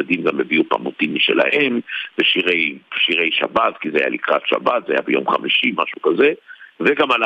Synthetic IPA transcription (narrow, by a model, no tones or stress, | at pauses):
ad̪imɡame̞viupa̰motimiʃḛla̰he̞mveʃiʁe̞jʃiʁe̞jʃa̰batkizeaja̰likʁatʃa̰bat̪zeajabejo̞̰mχamiʃimaʃukaze̞veɡamala